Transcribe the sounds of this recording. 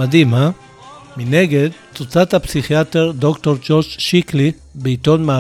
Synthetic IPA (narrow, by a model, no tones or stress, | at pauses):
adima | mineɡed | t͡sut͡sathapsiχiateʁdokto̞ʁd͡ʒo̞ʁd͡ʒʃikli | beito̞nma